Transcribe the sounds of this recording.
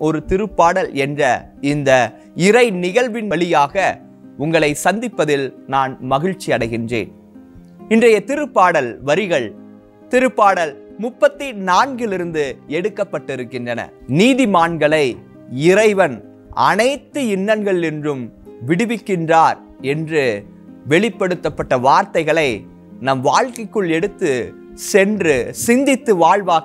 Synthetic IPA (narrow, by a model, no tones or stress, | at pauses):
ʔɔɾɯt̪ɪɾɯpːaːɽɐlɛndrɐ̰ | ɪnd̪ɐ | ɪɾɐɪnɪɣɐɭʋɪnʋɐɭɪjaːɣɐ | ʊŋɡɐɭɐɪsɐnd̪ɪpːɐðɪlnaːnmɐɣɪɻt͡ʃːiɐɽɐɪɣɪndrḛːn | ɪndrɐjɐt̪ɪɾɯpːaːɽɐlʋɐɾɪɣɐɭ | t̪ɪɾɯpːaːɽɐlmʊpːɐt̪ːɪnaːnɡɪlɪɾɯnd̪ɯɛɽɯkːɐpːɐʈːɪɾɯkːɪndrɐnɐ̰ | niːðɪmaːnɡɐɭɐɪ | ɪɾɐɪʋɐn | ɐ̰nɐɪt̪ːɯɪnːɐnɡɐɭɪndrɯmʋɪɽɯʋɪkːɪndraːɾ | ɛndrɯ | ʋɛɭɪpːɐɽɯt̪ːɐpːɐʈːɐʋaːɾt̪ɐɪɣɐɭɐɪ | nɐmʋaːɭkɐɪkːɯɭɛɽɯt̪ːɯ | sɛndrɯsɪnd̪ɪt̪ːɯʋaːɭʋaː